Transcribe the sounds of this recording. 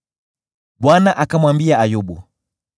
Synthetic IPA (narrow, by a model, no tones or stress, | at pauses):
bwanaʔakamwambiaajɔbṵ